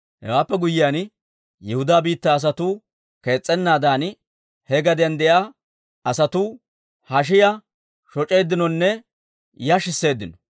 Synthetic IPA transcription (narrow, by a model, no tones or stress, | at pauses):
hɛ̰waːpːɛɡʊjːɪjaːn | jɛhʊd̪aːbiːt̪ːaːs̬ɐt̪uː | ke̞ːt͡sʼːɛnːaːd̪aːn | hɛɡɐd̪ɛnd̪ɛjaː | ɐsɐt̪uː | hɐʃ̬ɪjɐ | ʃɔt͡ʃʼe̞ːd̪ːɪnɔnːɛ | jɐʃɪsːe̞ːd̪ːɪnɔ